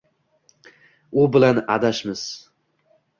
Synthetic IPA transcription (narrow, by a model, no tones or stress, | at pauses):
ʊbɪlana̰d̪aʃmɪz̥